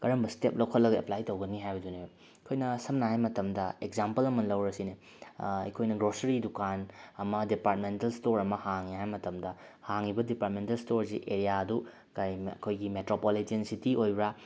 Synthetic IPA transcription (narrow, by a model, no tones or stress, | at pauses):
kɐɾɐmbɐstep̚lɐwkʰɐtlɐɡɐḛplajtowɡɐniɦajbɐdune | kʰojnɐsɐmnaɦajmɐtɐmdɐekzampɐlɐmɐnlɐwɾɐsine | ɐ̰kʰojnɐɡɾosɐɾidukanɐmɐdipaɾt̚mentɐlstoɾɐmɐhaŋːiɦajmɐtɐmdɐhaŋibɐdipaɾt̚mentɐlstoɾsḭʔeɾijaɐdu | kajɐ̰kʰojɡimetɾopolitiensitiʔojbɾa